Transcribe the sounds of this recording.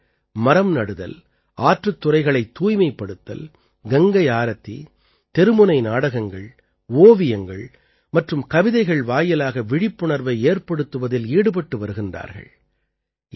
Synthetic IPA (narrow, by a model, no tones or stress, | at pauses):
mɐɾɐmnɐɽɯðɐ̰l | aːʈrɯt̪ːʊrɐɪɣɐɭɐɪt̪ːuːjmɐɪpːɐɽɯt̪ːɐ̰l | ɡɐŋɡɐɪaːɾɐt̪ːḭ | t̪ɛɾɯmɯnɐɪnaːɽɐɣɐŋɡɐɭ | oːʋɪjɐŋɡɐɭ | mɐʈrɯmkɐʋɪðɐɪɣɐɭʋaːjɐlaːɣɐʋɪɽɪpːɯɳɐɾʋɐɪeːɾpɐɽɯt̪ːɯʋɐðɪliːɽɯpɐʈːɯʋɐɾɯɣɪndra̰ːɾɣɐ̰ɭ